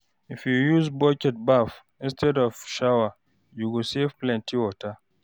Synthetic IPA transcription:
ɪfjujuzbɔkɛt̚baf | ɪ̃nstʰɛdɔv̥ʃawa | juɡosefplɛ̃ntʰiwɔta

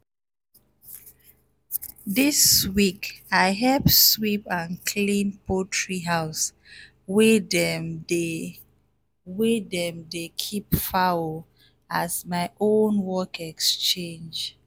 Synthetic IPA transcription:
diswikaɪɦɛlpswipãnkʰlĩnpotʰɹiɦaʊs | wed | wedɛ̃mdekʰipfawo | azmaɪʔõnwɔkɛkst͡ʃẽnd͡ʒ

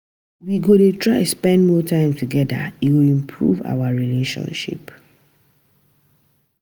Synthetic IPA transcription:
wiɡodetʰɹaɪspɛ̃ndmɔtʰãɪ̃mtʰuɡɛda̰iwilĩmpʰɹṵva̰waɹileʃɔ̰̃nʃḭp

